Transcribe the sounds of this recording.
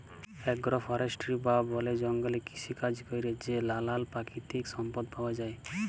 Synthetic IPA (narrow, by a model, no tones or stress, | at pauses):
ɛɡɾɔpʰɔɾesʈɾibabɔled͡ʒɔŋɡɔleki̥sʰikad͡ʒikɔjɾed͡ʒelalalpakit̪iksɔmpɔd̪pʰawad͡ʒae